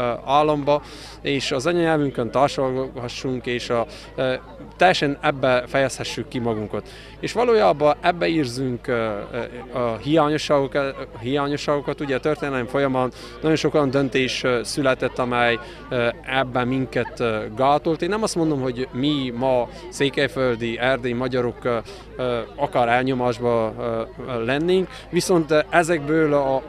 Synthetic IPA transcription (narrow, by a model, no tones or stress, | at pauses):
aːlːombɒ | eːʃɒzɒɲɒɲɛlvyŋkønt̪arʃolhɒʃːuŋkeːʃɒ | t̪ːɛjːɛʃɛnɛbːɛfɛjɛshɛʃːykːimɒɡuŋkɒt̪ | eːʃʋɒloːjaːbɒʔɛbːɛiːrzyŋk | ɒhijaːɲo̞ʃːaːɡokɦijaːɲo̞ʃːaːɡokɒt̪uɟɛt̪ørt̪eːnɛlmfo̞jɒmɒnː | ɒɟjonʃo̞ko̞jɑnd̪ønt̪eːʃsylɛt̪ɛt̪ːɒmɛj | ɛbːɛmiŋkɛt̪ɡaːt̪olt̪eːnːɛmɒst̪mo̞nd̪o̞mɦo̞ɟmimɒ | seːkɛjføld̪iɛrd̪eimɒɟɒɾo̞k | ɒkɒɾɛlɲo̞maːʒbɒ | lɛnːeːŋk | ʋiso̞nt̪ɛzɛɡ̚bøːlɒ